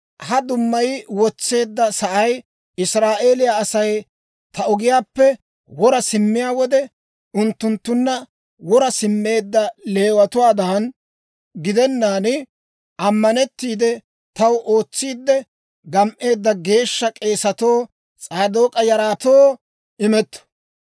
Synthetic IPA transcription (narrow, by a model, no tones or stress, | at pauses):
hɐd̪ʊmːɐjwɔt͡sːe̞ːd̪ːɐsɐʔɐj | ɪsɾaːʔeːlɪjaːsɐj | t̪ɐʊɡɪjaːpːɛ | wɔɾɐsɪmːɪjaːwɔd̪ɛ | ʊnt̪ːʊnt̪ːʊnːɐ | wɔɾɐsɪmːe̞ːd̪ːɐle̞ːwɐt̪ʊwaːd̪aːn | ɡɪd̪ɛnːaːnɪ | ʔɐmːɐnɛt̪ːiːd̪ɛ | t̪ɐwʔo̞ːt͡sːiːd̪ːɛ | ɡɐmʔe̞ːd̪ːɐɡe̞ːʃːɐkʼe̞ːsɐt̪o̞ː | t͡sʼaːd̪o̞ːkʼɐjɐɾaːt̪o̞ː | ɪmɛt̪ːɔ̥